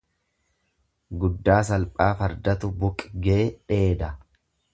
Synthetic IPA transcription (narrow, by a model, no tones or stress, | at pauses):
ɡʊd̪ːaːsɐlpʼaːfɐɾd̪ɐt̪ʊbʊkʼɡeːᶑe̞ːd̪ɐ